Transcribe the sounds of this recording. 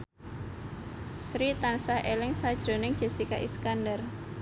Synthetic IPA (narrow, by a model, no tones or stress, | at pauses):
sɾit̪ansahʔelɪŋsad̥ʒ̥ɾo̤nɪŋdʒ̥e̤sika̰ʔḭskandər